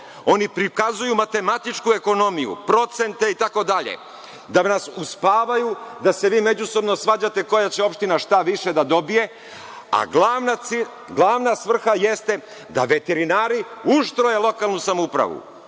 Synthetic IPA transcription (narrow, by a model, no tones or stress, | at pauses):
o̞nipɾikazujumat̪e̞mat̪it͡ʃkue̞ko̞no̞mijṵpɾo̞t̪se̞nt̪e̞it̪ako̞d̪aʎḛ | d̪anasuspaːʋajud̪ase̞ʋiːme̞d͡ʑuso̞bnosʋaːd͡ʑat̪e̞ko̞jat͡ɕe̞o̞pʃt̪inaʃt̪aʋiʃe̞d̪ad̪o̞bije̞ | a̰ɡlaʋnai | ɡlˠaʋnasʋr̩xaje̞st̪e̞ | d̪a̰ʋe̞t̪e̞ɾinaːɾiuʃt̪ɾoje̞lˠo̞kalˠnusamoupɾa̰ʋṵ